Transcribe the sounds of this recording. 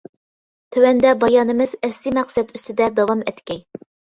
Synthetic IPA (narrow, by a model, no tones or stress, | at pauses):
t̪ʰøwɛnd̪ɛbɑjɑːnɨmɨzɛsːimæqsɛd̪yst̪ɪd̪ɛd̪ɑwɑmɛt̪kʲɛj